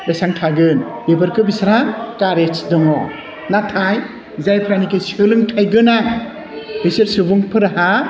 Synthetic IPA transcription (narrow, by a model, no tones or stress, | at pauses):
lɯjsaŋtʰaɡɯn | ebɯɾkʰɯbisɾakaɾet͡ʃdɯŋɔ | natʰaj | zajpʰɾanikesɯlɯŋtʰajɡɯnaj | bisiɾsɯbuŋpʰɯɾaɦa